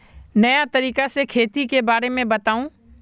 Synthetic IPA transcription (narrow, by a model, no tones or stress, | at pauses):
nɐjat̪əɾiːkasekʰeːt̪ikebaːɾemẽbət̪aːũː